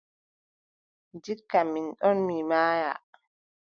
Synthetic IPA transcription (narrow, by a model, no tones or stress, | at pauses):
d͡ʒikːaminɗɔnmimaːja̰